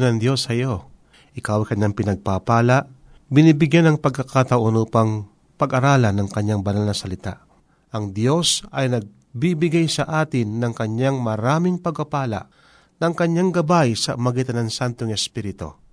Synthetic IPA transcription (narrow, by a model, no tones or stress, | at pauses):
nɐŋd̪jo̞shɐjo̞ | ʔɪkawajkɐɲːaŋpɪnɐɡ̚papaːlaʔ | bɪniːbɪɡjanɐŋpɐɡ̚kːɐkat̪ɐʔonuːpɐŋ | pɐɡʔɐɾaːlɐnɐŋkɐɲːaŋbɐnalnɐsɐlɪt̪a̰ʔ | ʔɐŋd̪jo̞sɐjnɐɡ̚ | bibɪɡajsɐʔaːt̪ɪnːɐŋkɐɲaŋmɐɾaːmɪŋpɐɡ̚pɐpaːla̰ʔ | nɐŋkɐɲːaŋɡɐbajsɐmɐɡit̪ɐnɐŋsant̪oŋɛspiɾɪt̪o̞̰